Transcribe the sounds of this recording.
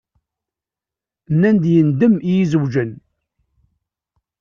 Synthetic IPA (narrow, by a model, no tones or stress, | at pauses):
nːænd̪jənd̪əmijizəwd͡ʒən